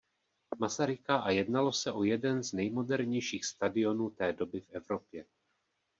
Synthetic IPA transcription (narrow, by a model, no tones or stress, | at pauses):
masaɾɪkaʔajɛdnalo̞sɛʔo̞jɛdɛnznɛjmo̞dɛɾɲɛjʃiːxst̪adɪo̞nuːt̪ɛːdo̞bɪfʔɛvɾo̞pjɛ